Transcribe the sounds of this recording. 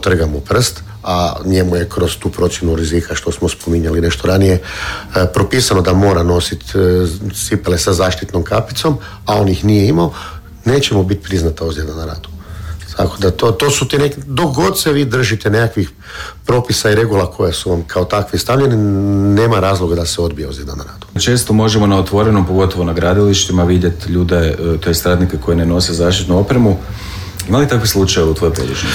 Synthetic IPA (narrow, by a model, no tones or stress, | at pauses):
t̪r̩ɡamopr̩st̪ | aɲe̞muje̞kɾost̪uːpɾo̞t̪sjenuɾizikʰaʃt̪o̞smospo̞miɲaline̞ʃt̪oɾanijepɾo̞piːsano̞d̪amo̞ːɾano̞sit̪ | sipelesazaːʃt̪it̪no̞mkapit̪so̞m | ao̞njixnijeimao | ne̞ːt͡ɕemobit̪̚pɾiznat̪aozjenanaɾa̰ːd̪u̥t̪ʰa̰kod̪at̪ot̪o̞ːsut̪enekd̪o̞kɡo̞d̪seʋiːd̪r̩ʒit̪ene̞kakʋix | pɾo̞pisaiɾe̞ɡulˠakʰo̞jesuʋamkʰaot̪akʋist̪aʋʎenine̞ːmaɾaːzlˠoɡad̪aseo̞d̪̚bijeozjed̪a̰naɾa̰ːd̪̥u̥t͡ʃe̞ːst̪omo̞ʒemonaot̪ʋo̞ɾenompoɡo̞t̪oʋo̞naɡɾaːd̪iliʃt̪imaʋid̪jet̪ʎuːd̪et̪oest̪ɾaːd̪nikeko̞jeneno̞sizaːʃt̪it̪nuo̞pɾemu | imalit̪akʋislˠut͡ʃajeaut̪ʋojpo̰d̪ḭt͡ʃ